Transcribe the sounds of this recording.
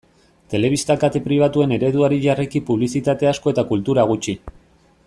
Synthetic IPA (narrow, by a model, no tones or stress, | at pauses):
t̪e̞le̞β̞ist̪akat̪epɾiβ̞at̪ue̞ne̞ɾe̞ðuaɾiʝarekipuβ̞lisit̪at̪e̞asko̞e̞t̪akult̪uɾaɣ̞ut͡ʃi